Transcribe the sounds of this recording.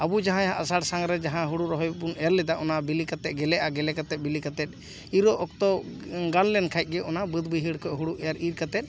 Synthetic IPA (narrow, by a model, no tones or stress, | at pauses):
abud͡ʒaɦãjaaʔasaɽsaŋɾɛd͡ʒaɦãɦuɽuɾɔɦɔjbunɛɾlɛd̪aʔɔnabilikat̪ɛt̪̚ɡɛlɛʔaɡɛlɛkat̪ɛt̪̚ˀbilikat̪ɛt̪̚ˀ | iɾɔʔɔk̚t̪ɔɡanlɛnkʰajt̪̚ˀɡɛʔɔnabəd̪biɦiɽkɔʔɦuɽuʔɛjaɾiɾkat̪ɛt̪̚